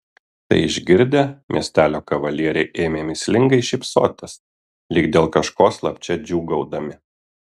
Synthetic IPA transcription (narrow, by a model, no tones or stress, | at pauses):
t̪ɐ̰ɪɪʒʲɡʲɪɾʲd̪ʲemʲiɛsʲt̪ʲæːlʲoːkɐʋɐlʲiɛɾʲɛɪʔeːmʲeːmʲɪsʲlʲɪŋɡɐɪʃʲɪpso̰ːt̪ʲɛs | lʲɪkd̪ʲeːlˠkɐʃkoːslˠɐpʲt͡ʃʲɛd͡ʒʲuːɡɐʊd̪ɐmʲɪ